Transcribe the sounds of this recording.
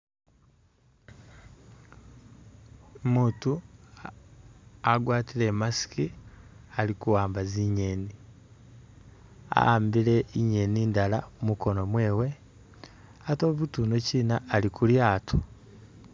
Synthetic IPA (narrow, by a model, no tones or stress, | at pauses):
omuːtu | aɡwaːtile̞masi̥kialikuwaːmbaziɲeni | a̰aːmbiɾe̞iɲe̞niːndalamuko̞no̞mweːwe̞ | ato̞ːβutuːnociːnaːlikuljaːtʰo